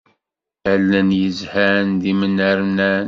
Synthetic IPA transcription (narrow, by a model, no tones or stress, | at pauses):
əlːənjəzhænd̪imənəɾnæn